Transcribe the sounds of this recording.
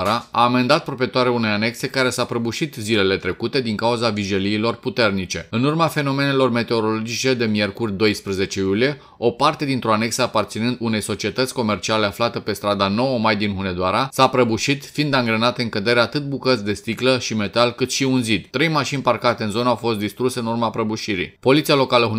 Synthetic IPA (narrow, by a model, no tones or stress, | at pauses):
ɾaa̰ːme̞nd̪at̪̚pɾopie̞t̪aɾeune̞jane̞kse̞kaɾe̞sapɾəbuʃit̪zile̞le̞t̪ɾe̞kut̪e̞d̪iŋkauzaviʒeliːlo̞rput̪e̞rnit͡ʃe̞ɨnurmafe̞no̞me̞ne̞lo̞rme̞t̪e̞o̞ɾo̞lo̞d͡ʒit͡ʃe̞d̪e̞mje̞rkurʲd̪o̞jspɾəze̞t͡ʃe̞julije̞ | o̞part̪e̞d̪int̪ɾo̞ane̞ksəapart̪sinɨnd̪une̞jso̞t͡ʃie̞t̪ət̪sʲko̞me̞rt͡ʃiale̞aflat̪epe̞st̪ɾad̪ano̞wəmajd̪inɦune̞d̪oaɾasapɾəbuʃit̪find̪aŋɡɾənat̪eɨŋkəd̪e̞ɾeat̪ɨt̪̚bukət̪sʲd̪e̞st̪ikləʃime̞t̪alkɨt̪ʃiunzid̪t̪ɾe̞jmaʃinʲparkat̪e̞ɨnzo̞nəawfo̞st̪d̪ist̪ɾuseɨnurmapɾəbuʃiɾḭpo̞lit̪sialo̞kaləɦ